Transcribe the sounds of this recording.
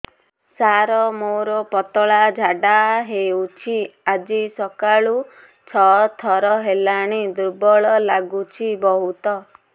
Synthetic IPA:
saɾɔmoɾɔpɔt̪ɔɭad͡ʒʱaɖaɦeut͡ʃʰiad͡ʒisɔkaɭu | t͡ʃʰɔt̪ʰɔɾɔɦelaɽ̃id̪uɾbɔɭɔlaɡut͡ʃʰibɔɦut̪ɔ

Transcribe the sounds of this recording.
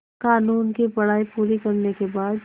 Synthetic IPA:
kaːnuːnkipɐɽ̤aːipuːɾikɐɾnekebaːd̪

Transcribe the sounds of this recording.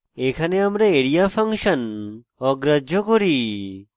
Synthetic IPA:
ekʰaneamɾeeɽijapʰaŋʃən | ɔɡɾəd͡ʒʱɔkoɾi

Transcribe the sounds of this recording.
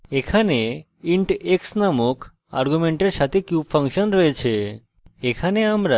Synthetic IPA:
ekʰane | iɳʈeksnamokʰ | a̰ɾɡumeɳʈəɾʃat̪ʰekjubfəŋkʃənɾəɦet͡ʃʰeː | kʰaneamɾa

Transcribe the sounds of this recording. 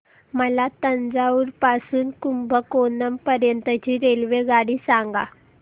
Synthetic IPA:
məlat̪ənd͡zauːɾpasuːnkumbʱəkonəmpəɾjənt̪ət͡ɕiːɾelʋeɡaɽiːsaŋɡa

